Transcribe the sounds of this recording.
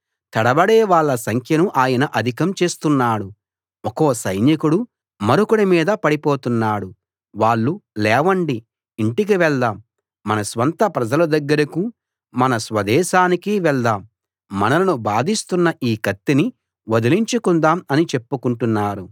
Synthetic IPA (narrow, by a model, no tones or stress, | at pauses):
t̪ɐɽɐbɐɽeːʋaːɭːɐsɐŋkʰjɐnuʔaːjɐnɐʔɐd̪ʱikɐmt͡ʃe̞ːst̪unːaːɽu | ɔkoːsɐjnjɐkuɽu | mɐɾukuɽimiːd̪ɐpɐɽipo̞ːt̪unːaːɽu | ʋaːɭːulɛːʋɐɳɖiː | ɳʈik̬iʋɛɭd̪aːmː | ɐnɐsʋɐnt̪ɐpɾɐd͡ʒɐlɐd̪ɐɡːɐɾɐku | mɐnɐsʋɐd̪ɛːʃaːnikiʋɛɭd̪aːmː | ɐnɐlɐnubaːd̪ist̪unːɐʔiːkɐt̪ːini | ʋod̪iliɲt͡ʃukund̪aːmɐnit͡ʃe̞pːukuɳʈunːaːɾu